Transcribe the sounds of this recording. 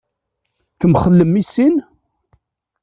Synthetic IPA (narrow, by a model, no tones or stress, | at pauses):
θəmχəlːəmːisin